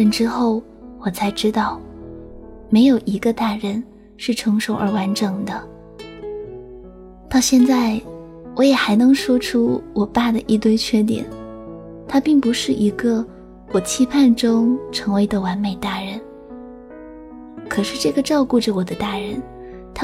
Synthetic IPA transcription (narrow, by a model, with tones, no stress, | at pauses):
ə˧˥nʈ͡ʂɻ̩˥xo˥˩ʊ | wɔ˨˩t͡sʰa˧˥ɪʈ͡ʂɻ̩˥t̪ɑ˥˩ʊ | me˧˥ɪjo˨˩ʊʔi˧˥ɡə˧t̪a˥˩ɻə˧˥n | ʂɻ̩˥˩ʈ͡ʂʰɤ˧˥ŋʂo˧˥ʊʔə˞˧˥wa˧˥nʈ͡ʂɤ˨˩ŋd̪ə˧ | t̪ɑ˥˧ʊɕjɛ˥˧nt͡sa˥˩ɪ | wɔ˧˥jɛ˨˩xa˧˥ɪnɤ˧˥ŋʂwɔ˥ʈ͡ʂʰu˥wɔ˨˩pa˥˩d̪ə˨ʔi˥˧t̪we˥˧ɪt͡ɕʰɥɛ˥˩t̪jɛ̰˨˩˦n | t̪ʰa˥pi˥˩ŋpu˧˥ʂɻ̩˥˩ʔi˧˥ɡə˧ | wɔ˨˩t͡ɕʰi˥pʰa˥˧nʈ͡ʂʊ˥ŋʈ͡ʂʰɤ˧˥ŋwe˧˥ɪd̪ə˧wa˧˥nme˨˩ɪt̪a˥˩ɻə˧˥n | kʰɤ˨˩ʂɻ̩˥˧ʈ͡ʂɤ˥˩ɡə˩ʈ͡ʂɑ˥˧ʊku˥˧ʈ͡ʂə˧˩wɔ˨˩d̪ə˦t̪a˥˩ɻə˧˥n | t̪ʰa˥